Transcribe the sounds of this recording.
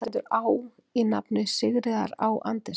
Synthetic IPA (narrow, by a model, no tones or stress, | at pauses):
ɛt̪ʏɾaːw | ina̰pnɪsɪɣɾɪða̰ɾawʔa̰nt̪ɪ